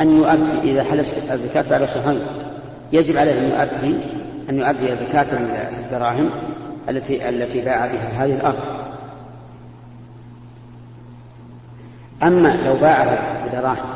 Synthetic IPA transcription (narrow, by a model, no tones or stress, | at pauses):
ʔanjʊʔad̪ːiʔɪðaħalafazːakaːt̪̚baʕd̪aʃɑfajn | jad͡ʒɪbʕaleːhʔanjʊ̰ʔad̪ːi | ʔanjʊʔad̪ːiazakaːt̪ad̪ːɑɾˤɑːɦɪmʔaʔa̰lːat̪ibaːʕabɪɦaɦaːðɪhɪlʔɑɾˤðˤ | ʔamːalawbaːʕaɦabɪd̪ɑɾˤɑːhɪm